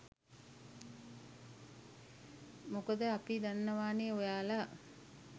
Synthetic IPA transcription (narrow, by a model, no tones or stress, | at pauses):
mokəd̪əapid̪anːəʋaːneojaːla